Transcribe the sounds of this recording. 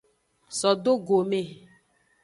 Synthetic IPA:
sɔ˨do˦ɡo˨me˦˨

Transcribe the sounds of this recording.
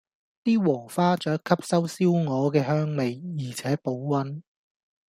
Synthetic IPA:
t̪iː˥wɔː˨˩faː˥t͡ʃœː˨˥kʰːɐ˥p̚sɐ˥wsiː˥wŋɔː˨˧kɛː˧ɦœː˥ŋme˨jjiː˨˩t͡sʰɛː˨˥po˨˥wwɐ˨˧˥n

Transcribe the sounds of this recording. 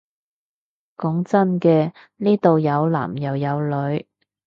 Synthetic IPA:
kɔ˨˥ŋt͡sɐ˥nkɛː˧ | niː˥t̪o˨wjɐ˨˧wla̰ː˨˩mjɐ˨˩wjɐ˨˧wlɵ˨˧ɥ

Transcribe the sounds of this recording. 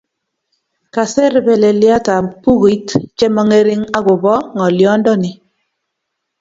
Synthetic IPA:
ka˨sɛ˦ɾbɛ˨le˨lja˦ta˨pu˦ɣi˦tt͡ʃɛ˦mɔ˦ŋe˦ɾɪ˦ŋa˦ɣʊ˨bɔ˦ŋɔ˨ljɔ˦ndɔ˦nɪ˨

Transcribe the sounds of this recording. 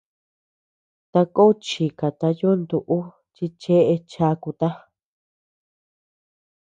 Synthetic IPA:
t̪a˧ko˦t͡ʃi˨ka˨t̪a˧jo˦nd̪u˨ʔu˦ | t͡ʃi˧t͡ʃe˦ʔe˧t͡ʃa˧˦ku˧t̪a˦

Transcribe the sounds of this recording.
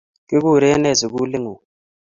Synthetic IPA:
kɪ˦k̬u˦˨ɾɛ˦nɛ˦˨zi˨k̬u˦li˦ŋu˨

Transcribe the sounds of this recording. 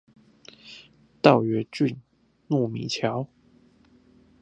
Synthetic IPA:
t̪ɑ˥˩ʊɥɛ˧˥t͡ɕy˥˧˨n | nu˥˩mḭ˨˩t͡ɕʰjɑ˧˥ʊ

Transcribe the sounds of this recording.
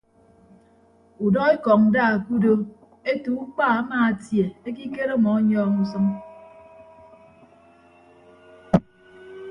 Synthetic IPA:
u˨dɔ˦e˦kɔ˨ŋn̩˨da˦˨a˨ku˦do˦ | e˦tu˨u˦k͡paː˦˨a˦maː˨a˨tje˨e˦k̬i˦ke˦ɾɔ˦mɔ˨˦ɲɔː˦ŋu˦s̬ʌ˦ŋ

